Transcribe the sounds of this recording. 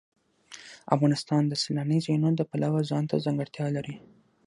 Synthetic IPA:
a̰fɣɑnɪst̪ɑnd̪əselanizanod̪əpalawazɑnt̪ʰa̰zaŋɡaɽt̪jɑlaɾi

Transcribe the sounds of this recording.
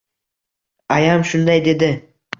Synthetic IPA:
ajamʃʊnd̪ajd̪e̞d̪ɪ

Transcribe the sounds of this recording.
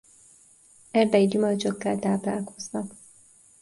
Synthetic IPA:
ɛɾbɛid̪umørt͡ʃokːaːlt̪aːpla̰ːlko̞̥znɒk

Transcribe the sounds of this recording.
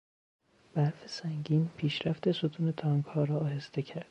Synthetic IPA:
b̥æɾfesæŋɟiːnpʰiːʃɾæft̪e̞sot̪ʰuːne̞t̪ʰɒːŋɡhɒːɾɒɒːhe̞st̪e̞cʰæɾd̪̥

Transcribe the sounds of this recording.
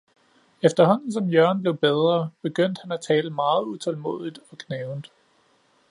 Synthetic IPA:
efd̥ɐɦɒ̽n̰n̩s̬ɒ̽mjɶɐnb̥le̝ʊb̥eð̞ˠʁɐb̥e̝ɡ̥øn̰d̥hænæt͡sʰɛːləmɑ̈ːð̞̩ˠut͡sʰɒ̽lmo̝̰ðˠid̥ɒ̽ɡ̥neːʊnd̥

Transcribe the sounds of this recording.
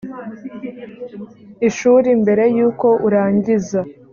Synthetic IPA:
iʃuːɾimbe̞ɾe̞juːko̞ʔuɾaːɲɟiza

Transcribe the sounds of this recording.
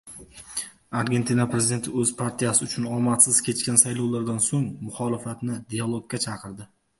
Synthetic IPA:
aɾɡʲe̞nt̪ʰinapɾe̞zʲid̪ent̪ʰɪɵzpʰaɾt̪ʰijasɪʊt͡ʃʰʊnɒlˠmat̪sɪz̥kʲʰe̞t͡ʃkʲansajlˠɒwlaɾd̪ansoŋmʊχɒlˠɪfat̪nɪd̪ijalˠoɡ̚ʲɡʲat͡ʃʰɑqʰɨɾd̪ɪ

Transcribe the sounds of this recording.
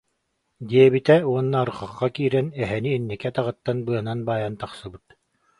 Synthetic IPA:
d̪iɛbit̪ɛuɔnːaːɾɯχaχːakiːɾɛnɛɦɛniːnːɛkɛt̪aʁɯt̪ːanbɯɐnanbaːjant̪aχsɯbɯt̪̚

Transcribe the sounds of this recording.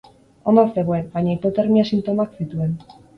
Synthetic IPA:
o̞noɾθeɣoebajɲaipo̞t̪eɾmiasint̪o̞maksit̪ue̞n

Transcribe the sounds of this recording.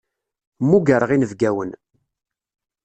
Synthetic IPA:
mːuɡəɾəʁinəvɡæwən

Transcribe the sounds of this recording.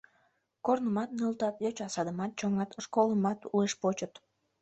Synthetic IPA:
kornəmɑt̪̚nəlˠt̪ɑt̪jøt͡ɕɑsɑd̪əmɑt̪̚t͡ɕoŋɑt̪ʃkolˠəmɑt̪ueʃpot͡ɕət̪

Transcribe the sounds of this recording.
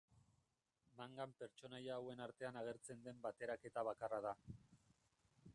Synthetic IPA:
maŋɡampe̞ɾt͡ʃo̞najaːwe̞naɾt̪e̞anaɣ̞e̞ɾt͡se̞nd̪e̞mbat̪e̞ɾake̞t̪aβ̞akaraða

